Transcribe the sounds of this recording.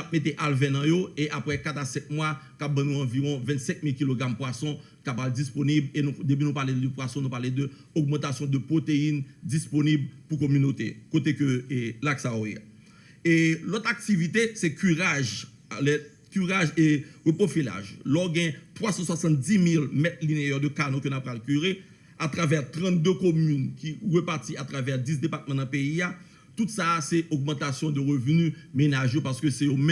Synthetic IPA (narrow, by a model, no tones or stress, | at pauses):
ap̚met̪̬eʔalvɛ̃nɐ̃joeʔapʁɛkat̪asɛt̪̚mwakap̚bɐ̃nũɑ̃viʁɔ̃vɛ̃t̪sɛ̃k̚milkiloɡʁampwasɔ̃ | kapabd͡zisponiblenũd̪epynũpaled̪əpwasɔ̃nũpaled̪ø | ɔɡ̚mɑ̃t̪asjɔ̃d̪əpʁot̪eind͡zisponiblpukomynot̪ḛkot̪ekøelaksajoḛ | elɔt̪ak̚t̪ivit̪esɛkyʁaʒ | lɛ | kyʁaʒeʁøpofila̰ʒlɔɡɛ̃t̪wasɑ̃swasɑ̃t̪̚d͡zimilmɛt̪lineɛʁd̪økanõkønapʁalkyʁe | at̪ʁavɛʁt̪ʁɑ̃t̪̚d̪økomynkʰiʁəpaʁtiat̪ʁavɛʁdis̬d̪epat̪̚mɑ̃nɐ̃peia | t̪ut̪sasɛoɡ̚mɑ̃t̪asjɔ̃d̪əʁøvnymenaʒjopaʁskøsɛjomɛ̃